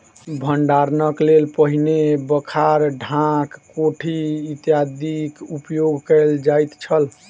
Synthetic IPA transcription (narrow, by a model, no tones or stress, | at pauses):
bʱəɳɖaɾnəklelpəɦinebəkʰaɾɖʱãkː | oʈʰiit̪jad̪ikupjoɡʱkəld͡ʒajt̪t͡ʃʰəl